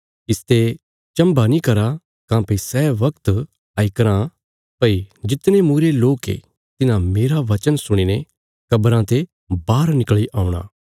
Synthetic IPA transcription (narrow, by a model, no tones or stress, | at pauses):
ɪst̪e | t͡ʃɐ̃mbanĩkɐɾa | kãːpesɛːʋɐkt̪ | aːikɐɾã | pɐid͡ʒɪt̪nemuːɾeloːkḛ | t̪ɪnãmeːɾaʋɐt͡ʃənsʊɽ̃inẽ | kɐbɾãt̪e | baːɾnɪkɭiʔaːuɽ̃a̰ː